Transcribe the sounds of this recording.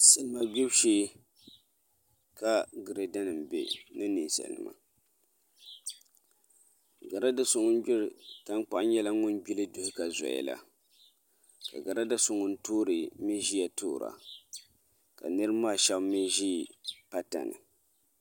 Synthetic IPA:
sɛ˨lɨ˦ma˦bi˦bʃeː˦ | ka˦ɡɨ˨ɾe˨da˦nɨ˨m˨bḛ˨nɨ˦ni˨n˨sɛ̰˨lnɨ̰˨ma̰˨ | ɡa˨ɾa˦da˦sʊ˨ŋʊ˦n˦d͡ʒʊ˦ɾɨ˨ta˦ŋk͡pa˨ʔɲɛ˦la˦ŋʊ˦n˦ɡ͡bi˦lɨ˦dʊ˨hɪ˦ka˨zɔ̰˨ɛ̰˨la̰˨ | ka̰˨ɡa˨ɾa˦da˦sʊ˨ŋʊ˦n̩˦toː˦ɾɨ˨mi˦ʒi˦ja˨toː˦˨ɾa̰˨ | ka̰˨nɨ˦ɾɨ˦maː˦˨ʃɛ˦bmi˦ʒiː˦pa˦ta̰˨nɨ̰˨

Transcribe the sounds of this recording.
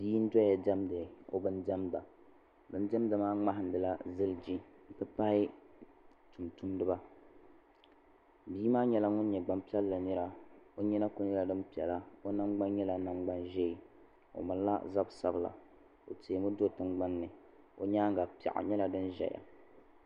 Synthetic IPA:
biː˦n̩˦dɔ˦a˨dɛ˦mdɨ˨o̰˦bɨ˦ndɛ˦mda˨ | bɨ˨n˦dɛ˦m˦dɨ˨maː˦ŋ͡ma˦ɦɪ˨˦n̩˦dɨ˨la˦zɨ˦ld͡ʒi˦˨pɨ˦pa˦hɪ˦ | tu˨mtu˦mdɨ˦ba˦ | biː˦maː˦ɲɛ˦la˦ŋʊ˦n˦ɲɛ˨ɡ͡ba˨mpi˦ɛ˦lːa˨nɨ˦ɾa˦o˦ɲɛ˦na˦ko˦nɛ˦la˨dɨ˦mpi˨ɛ̰˨la˦o˦na˦ŋ͡mɡ͡ba˦nɲɛ˦la˨na˨ŋ͡mɡ͡ba˦nʒe˦i˨ | o̰˨ma˨lla̰˦za˦bsa˦bla̰˨ | o̰˨te˨mɨ˦do˦tɨ˦mɡ͡ba˦nːɨ˨ | o˦ɲaː˦ŋɡa˨pi˨a̰˨ʔa̰˨ɲɛ˦la˨dɨ˦nʒɛ̰˨ja̰˨

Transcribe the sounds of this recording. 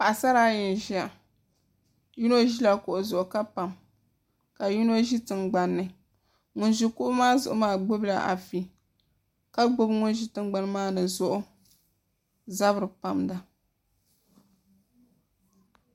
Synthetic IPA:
pa˨ʔa˨sa˦ɾa˦jɛ˨n˨ʒi˦a˨ | ji˦no˦ʒi˦la˨kʊ˨ʔʊ˨zʊ˨ʔʊ˨ka˦pa˨m | ka˨ji˦no˦ʒi˦tɨ˨nɡ͡ba˨nːɨ˨ | ŋʊ˨nʒu˨kʊ˦ʔʊ˦maː˦zʊ̰˨ʔʊ˨maː˦ɡ͡bo˦bla̰˨ʔa̰˨fi˨ | ka˦ɡ͡bo˦bŋʊ˦nʒi˦tɨ˦mɡ͡ba˦n˦maː˦nɨ˨zʊ˦ʔʊ˦ | za˦bɨ˨ɾɨ˨pa˨mda˨

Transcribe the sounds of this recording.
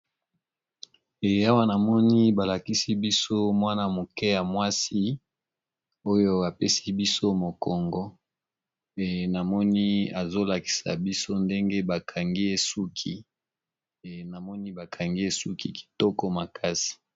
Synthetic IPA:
e˨a˦wa˦na˨mɔ˦ni˦ba˨la˨ki˦si˦bi˦so˦mwa˦na˨mo˨kɛ˦ja˨mwa˦si˦ | o˦jo˦a˨pe˦si˦bi˦so˦mo˨kɔ˨ŋɡɔ˦ | e˨na˨mɔ˦ni˦a˨zo˦la˨ki̥˨sa̰˨bi˦so˦nde˦ŋɡe˦ba˨kʰa˨ŋɡi˦e˦su˦kʰi˦˨ | na˨mɔ˦ni˦ba˨kʰa˨ŋɡi˦e˦su˦ki˨ki̥˨tɔ˦kɔ˦ma˨kʰa˦si̥˨

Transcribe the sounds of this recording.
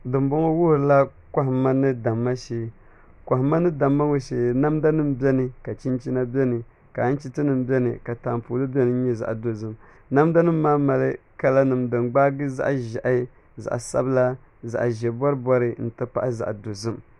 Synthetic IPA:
dɨ˨mbo˦ŋo˦wʊ˦˨ɾla˦ | ka˦ɦma˦nɨ˦da˨mːa˦ʃe˨˦ | kʷa˨ɦma˦nɨ˦da˨mːa˦ŋo˨ʃe˨na˦mda˦nɨ˦m˦bɛ˦nɨ˨ka˨t͡ʃi˦nt͡ʃi˦na˦bʲɛ˦nɨ˨ | ka˨˦n̩˦t͡ʃi˦tɨ˦nɨ˨mbɛ˦nɨ̰˨ka˨taː˨mpu˨lɨ˦bʲɛ˦nɨ˨˦ɲɛ˦za̰˨ʔdo˨zɨ˨m | na˦mda˦nɨ˦mː˦aː˦ma˨lɨ˦ka˨la˦nɨ˨mdɨ˨ŋɡ͡baː˦ɡɨ˦za̰˦ʔʒa˨ʔa˦ | za̰˨ʔsa̰˦bla˦ | za̰˨ʔʒɛ˨bɔ˦ɾɨ˦bɔ˦ɾɨ˦n̩˨tɨ˦pa̰˦ʔza̰˨ʔdo˨zɨ˦m

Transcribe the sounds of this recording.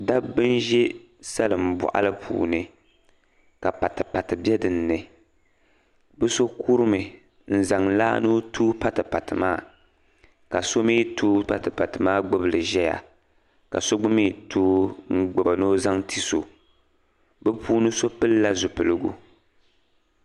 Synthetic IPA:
da˦bbɨ˦nʒɛ˦ | sa˦lɨ˨m̩˨bʊ̰˨ʔa̰˦lɨ˦pʰṵː˨nɨ˦ | ka˨pa˨tɨ˨pa˨tɨ˨bɛ˦dɨ˨nː˦ɨ˨ | bɛ˦so˦ku˦ɾɨ˦mɨ˨ | n̩˦za˨ŋla̰ː˦no˦tuː˦pa˦tɨ˨pa˨tɨ˨maː˦˨ | ka˨so˦miː˦tʰuː˦pa˨tɨ˨pa˨tɨ˨maː˦ɡ͡bʊ˦bɨ˨lɨ˨ʒɛ˦ja̰˨ | ka̰˨so˦ɡ͡bʊ˦miː˦tʰuː˦ŋ̩˦ɡ͡bʊ˨ba˨no˦za˦ŋtʰi˦so˨ | bɨ˦pʰuː˦nɨ˦so˦pɨ˦lːa˦zʊ˨pɨ˨lɨ˦ɡu˦

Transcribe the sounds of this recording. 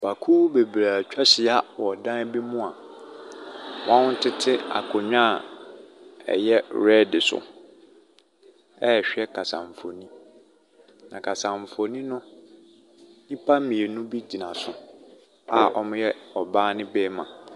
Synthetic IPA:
b̥a˨kʰuː˦be˨bɾaː˨t͡ɕᶣa˦ɕɪ˨a˨wɔ˨dã˦n˦bi˦mũ˦a˨ | wã˦nʊ˦tʰɪ˦tʰɪ˦a̰˨kʰʊ˨ɲᶣã˦˨ | ɛ̰˨jɛ˦ɾɛ˦dɪ˨sʊ̰˨ | ɛ˦˨ɕᶣɛ˦kʰa˨sã̰˨ɱ˨fo˨nĩ˦ | nã˨kʰa˨sã˨ɱ˨fo˨nĩ˦nʊ̃˦ | ɲĩ˦pʰa˦mĩ˨e˨nũ˦bi˦d͡ʑi˨nã˨sʊ˨ | a˨ʔɔ˦mʊ̃˦jɛ˦ɔ˨baː˦nɪ̃˦bɛː˦mã˨

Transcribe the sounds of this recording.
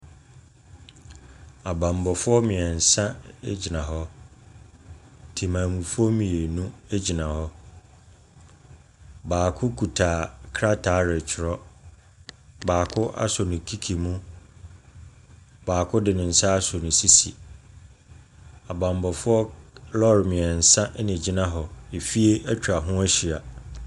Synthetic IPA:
a˨bã˨m˨bɔ˨fʊ˦ɔ˦mɪ̃˨ɛ˨n̩˨sã˦e˦d͡ʑi˨nã˨ɦɔ˦ | tʰi˨mã˨mũ˨fʊ˦ɔ˦mĩ˨e˨nũ˦e˦d͡ʑi˨nã˨hɔ˦ | baː˨kʰʊ˦kʰu˨tʰa˨kʰɾa˦tʰa˨˦ɾɪ˨t͡ɕʰɪ˨ɾɔ˦ | baː˨kʰʊ˦ʔa̰˦sɔ˨nɪ̃˨kʰi˦kʰi˨mũ˦ | baː˨kʰʊ˦dɪ˨nɪ̃˨n̩˨sa˦a˦sɔ˨nɪ̃˨si˦sḭ˨ | a˨bã˨m˨bɔ˨fʊ˦ɔ˦lɔ˦ɾmɪ̃˨ɛ˨n̩˨sã˦ʔnɪ̃˨d͡ʑi˦nã˦ɦɔ˨e˨fi˦e˦æ˦t͡ɕᶣa˨ɦʊ̃˦æ˦ɕi˨a˨

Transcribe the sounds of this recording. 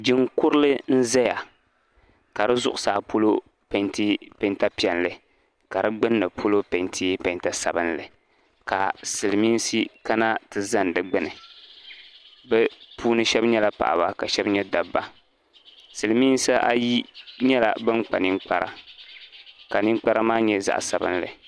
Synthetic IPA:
d͡ʒɪ˦ŋkʊ˦ɾɨ˦lɨ˦n̩˦zɛ˦ja˨ | ka˨ɾɨ˦zʊ˦ʔʊ˦saː˨pʰo˦lo˦ | pɛ˨˦nti˦pɛ˨nta˦pi˨ɛ˨nlɨ˨ | ka˨ɾɨ˦ɡ͡bɨ˦nːɨ˨pʰo˦lo˦pe˨ntʰi˦pɛ˨nta˨sa̰˨bɨ˦nlɨ̰˨ | ka̰˨sɨ˨lmiː˦n˦si˦ka˦na˦tɨ˨za˦n˨dɨ˨ɡ͡bɨ˦nɨ˨ | bɛ˦pʰuː˦nɨ˦ʃɛ˦bɲɛ˦la˦pa̰˨ʔa˨ba˦ka˨ʃɛ˦bɲɛ˦da˨bːa˦ | sɨ˨lɨ˨mi˦n˦sa˦ʔa˦ji˦ɲɛ˦la̰˨bɨ˦ŋk͡pa̰˨ni˦ŋ͡mk͡pa˦ɾa̰˨ | ka˨ni˦ŋ͡mk͡pa˦ɾa˦maː˦ɲɛ˦za̰˨ʔsa˨bɨ̰˦n˦lɨ̰˨

